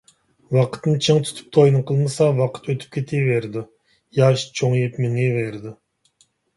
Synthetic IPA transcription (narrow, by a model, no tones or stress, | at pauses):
wɑqʰə̥t̪nɨt͡ʃʰɨŋt̪ʰy̥t̪ʰy̥p̚t̪ʰojnɨqʰəlˠmɨsɑwɑqʰə̥t̪ʰøt̪ʰy̥p̚kʲʰet̪ʰeveɾd̪ɪ | jɑʃt͡ʃʰoŋjipmɪŋeveɾd̪ɪ